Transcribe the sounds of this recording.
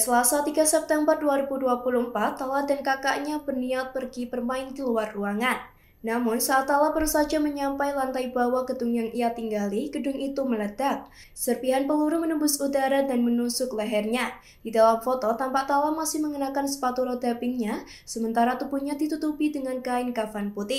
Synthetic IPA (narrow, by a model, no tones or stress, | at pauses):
səlasat̪iɡasɛp̚t̪ɛmbərduaɾibuduapuluhmpat̪ːaladankakaʔɲabərniat̪̚pərɡipərmaɪnkəluwarːuaŋanː | amʊnsaːt̪alapəɾusad͡ʒaməɲampajlant̪aibawaɡ̥ədʊŋjaŋijat̪iŋɡalɪhɡ̥ədʊŋit̪umələdap̚ | sərpiɦanpəluɾumənəbʊsudaɾadanmənusʊklaɦɛrɲa | d̥idalamfot̪ɔt̪ampaʔt̪alamasɪhməŋənakansə̥pat̪uɾodapɪŋɲa | səmənt̪aɾat̪ubuɲadit̪ut̪upidəŋankaɪnkafanput̪ɪh